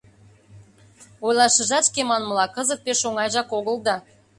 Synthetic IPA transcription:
ojlˠɑʃə̆ʒɑt̪ʃkemɑnməlɑkə̆zət̪̚peʃoŋɑjʒɑkoɣəld̪ɑ

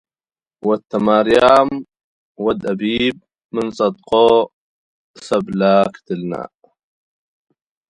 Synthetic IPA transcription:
wat̪ːamaːɾjaːm | wad̪ʔabiːb̚ | mɪnsˤɑd̪qoː | sablaːkt̪ɪlna̰ːʔ

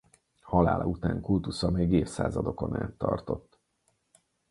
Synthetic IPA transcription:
hɒlaːlʔɒut̪aːŋkult̪usɒmeːɡeːfsa̰ːzɒd̪o̞ko̞na̰ːt̪ːɒrt̪o̞t̪ː

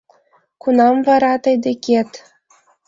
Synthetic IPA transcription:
kunɑmvɑɾɑt̪ɤ̆jd̪ekʲet̪

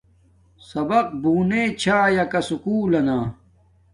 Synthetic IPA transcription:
sɐbɐq̚buːneːt͡ɕʰaːjɐkɐsukuːlɐnaː

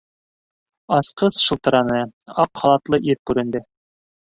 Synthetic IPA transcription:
ɑsqɤsʃɤ̆lˠt̪ɤ̆ɾɑnɤɑqχɑlˠɑt̪lˠɤʔiɾkʉɾɘ̆nd̪ɘ

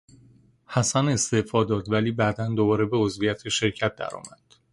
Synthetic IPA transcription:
hæsæne̞st̪e̞fɒːd̪ɒːd̪væliːbæd̪ænd̪obɒːɾe̞be̞ozvijæt̪ʰeʃe̞ɾcʰæt̪̚d̪æ̰ɾɒ̰ːmæd̪̥

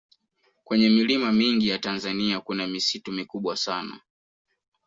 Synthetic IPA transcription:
kwɛɲɛmilimamiŋɡijatanzaniakunamisitumikuɓwasana̰

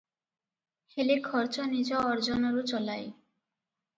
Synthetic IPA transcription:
helikʰɔɾt͡ʃɔnid͡ʑɔɔɾd͡ʑɔnɔɾut͡ʃɔlaj

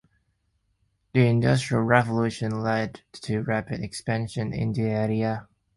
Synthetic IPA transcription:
ðiɪ̃ndʌstɹ̥iəlˠɹɛvəlʉˑʃə̃nlɛdtʰɨɹæpɨɾɨkspæ̃nʃɨ̃nɪ̰̃ndiɛɹiə

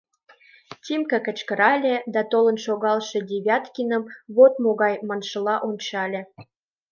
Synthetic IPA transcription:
t̪ʲimkə̆kə̆t͡ɕkə̆ɾɑlʲed̪ɑt̪olə̆nʃoɣɑlˠʃĕdʲeβʲjɑt̪kʲinə̆mβot̪moɣɑjmɑnʃə̆lɑʔont͡ɕɑlʲĕ

